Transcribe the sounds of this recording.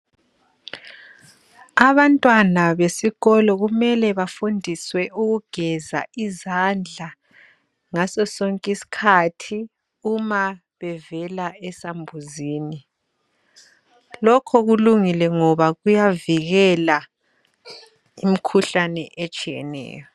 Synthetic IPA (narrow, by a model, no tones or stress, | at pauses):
aβantʼwanaβesiɣɔlɔɣumɛlɛβafundʱiswɛuɣuɡ̥ʱɛza̰izand͡ɮʱa | ŋasɔsɔŋkʼisi̥kʰatʰi | uma | βɛvɛlaɛsambʱuziːni | lɔkʰɔɣuluŋilɛŋɔβaɣujaviɣɛla | imikʰuɬanɛ̰ʔet͡ʃʼijɛ̰nɛ̰ːjɔ